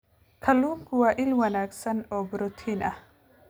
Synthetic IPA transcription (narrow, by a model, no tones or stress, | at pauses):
kʰɐlːuːŋkʰʊwaːʔɪlwɐnaːɡsɐnɔːbʊɾʊt̪ʰiːnʔɐh